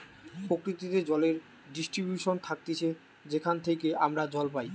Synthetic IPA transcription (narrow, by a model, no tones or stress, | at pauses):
pɾokɾit̪it̪ed͡ʑɔleɾ | ɖisʈɾibjuʃont̪ʰak̚t̪it͡ɕʰe | d͡ʑekʰant̪ʰekeʔamɾad͡ʑɔlpaj